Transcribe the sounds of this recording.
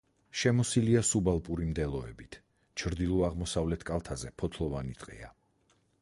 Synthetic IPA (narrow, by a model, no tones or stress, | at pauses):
ʃɛmɔsiliasubalˠpʼuɾimd̪ɛlˠɔɛbit̪ʰ | t͡ʃʰɾd̪ilˠuaʁmɔsavlɛt̪ʰkʼalˠt̪ʰazɛpʰɔt̪ʰlˠɔvanit̪ʼqʼɛ̰a